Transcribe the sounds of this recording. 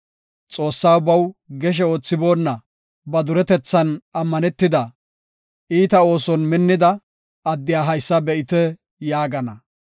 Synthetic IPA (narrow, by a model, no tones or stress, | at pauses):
t͡sʼo̞ːsːaːwbɐwɡɛʃ̬ɛo̞ːt͡sːɪbo̞ːnːɐ | bɐd̪ʊɾɛt̪ɛt͡sːɐnɐmːɐnɛt̪ːɪd̪ɐ | ʔiːt̪ɐo̞ːsɔnmɪnːɪd̪ɐ | ɐd̪ːɪjaːɦɐjsːɐbɛʔɪt̪ɛ | jaːɡɐnɐ